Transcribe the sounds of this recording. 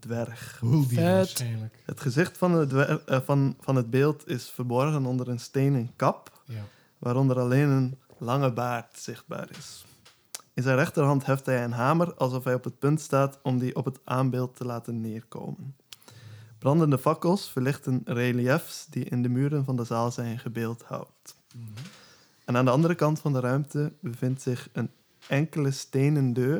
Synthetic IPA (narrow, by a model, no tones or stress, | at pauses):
dʋɛrx | hətχəzɪxt | fɑnəd̚beːlˠtʰɪsfərbɔɹɣənɔndəɾənsteːnənkɑp | ʋaːɾɔndəɾɑleːnənlɑŋəbaːrtsɪχt̚ba̰ːɹɪ̰s | ɪnzɛjnrɛχtərɦɑntɦɛftɦɛjənɦaːmərɑlˠsɔfɦɛjɔpɦət̚pɵntstaːtɔmdiʔɔpətʔaːmbeːlˠtʰːəlaːtənːɪːrko̰ːmən | b̥rɑndəndəfɑkəlˠsfəɹlɪχtənreːliɛfsdiʔɪ̰ndəmyːɾənvɑndəzaːlˠzɛjnχəbeːlˠthɑ̰wt | ɛnaːndəɑndəɾəkɑntfɑndəɾœɥmtəbəvɪntsɪxən | ʔɛŋkələsteːnəndøː